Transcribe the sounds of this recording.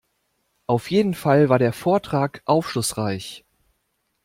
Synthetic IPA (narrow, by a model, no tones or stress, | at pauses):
ʔaʊfjeːdn̩falvaːɐɾeːɐfoːɐtʁ̥aːkʔaʊfʃlʊsʁ̥aɪç